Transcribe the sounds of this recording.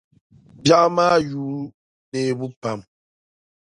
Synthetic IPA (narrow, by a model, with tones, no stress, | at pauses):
bja˦ʔma˦juː˨˦ | ne˨bu˦pa˦˨m